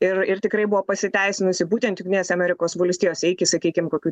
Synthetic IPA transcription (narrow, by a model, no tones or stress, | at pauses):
ɪrɪrt̪ʲɪkɾɐɪbʊʋoːpɐsʲɪt̪ʲæɪsʲɪnʊsʲɪbuːt̪ʲɛnt̪jʊŋɡʲt̪ʲɪnʲeːsʲɛɐmʲɛɾʲɪkoːsbɐlʲsʲt̪ʲiːjoːsʲɛɪkʲɪsɐkʲiːkʲɪmkoːkʲuː